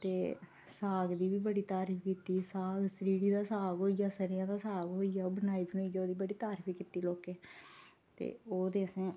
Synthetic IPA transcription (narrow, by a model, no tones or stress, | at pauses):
t̪eː | saːɡd̪iːʋiːbəɽiːt̪aːɾpʰikit̪iːsaːɡsɾiːɽiːd̪aːsaːɡɦoːijaːsəɾjãːd̪aːsaːɡɦoːijaːoːbənaːiːbinoːijaːoːd̪iːbəɽiːt̪aːɾpʰiːkit̪iːloːkeː | t̪ḛːoːd̪eːəsẽː